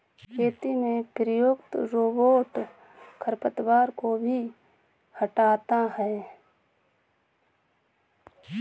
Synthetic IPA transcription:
kʰeːt̪imẽpɾəjoːkt̪ɾoːboːʈ | kʰəɾpət̪ʋaːɾkobʱi | həʈaːt̪aɦɛː

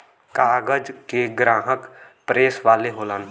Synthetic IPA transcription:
kaːɡəd͡ʒkeɡɾãːɦəkpɾeːsʋaːleɦoːlaːn

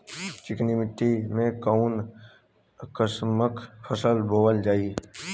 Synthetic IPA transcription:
t͡ʃɪknimɪʈːimẽkaʊn | kəsməkpʰəsəlbʱoːəld͡ʒaːi

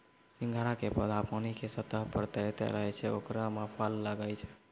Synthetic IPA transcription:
sĩŋɡʱaɾakepəd̪apənikesət̪əɦpəɾt̪ɛjt̪ɛ̰ɾəɦɛt͡ʃʰɛokɾamapʰəlːəɡəjt͡ʃʰɛ̥

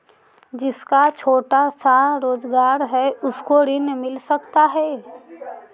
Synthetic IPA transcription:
d͡ʒɪskat͡ʃʰoːʈasaɾoːzɡaːɾɦɛʊskoɾɪnmɪlsɐkt̪aɦɛː

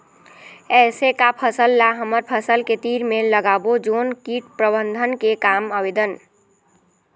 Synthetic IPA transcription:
ɛsekapʰəsəlːaɦəməɾpʰəsəlket̪iɾmeləɡabod͡ʒonkiʈ̚pɾəbənd̪ʱənkekaməbed̪ən

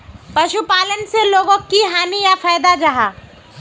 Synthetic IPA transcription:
pɐʃupaːlənseloːɡõkiɦaːnijafaːd̪ad͡ʒɐɦaː

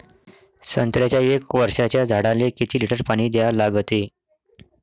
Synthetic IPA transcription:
sənt̪ɾjat͡ɕjaekʋəɾʂat͡ɕjad͡zʱaɽalekit̪ʰiːliʈəɾpaɽ̃iːd̪jalaɡt̪e

